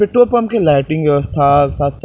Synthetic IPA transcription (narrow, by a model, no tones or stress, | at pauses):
pɪʈːopɐmkelaɪʈɪ̃ŋɡʋjɐʋəst̪ʰaksaːt̪s